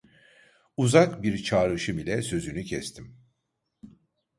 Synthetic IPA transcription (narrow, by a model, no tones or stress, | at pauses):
uzakbiɾt͡ʃʰaːɾɯʃɯmilʲɛsø̞zynycʰɛst̪ʰim